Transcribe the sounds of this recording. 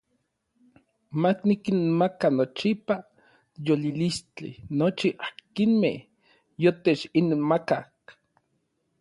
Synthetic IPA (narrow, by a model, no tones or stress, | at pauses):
maknikinmakanot͡ʃipa | jolilist͡ɬḭnot͡ʃiʔakinmeh | jot̪et͡ʃinmakak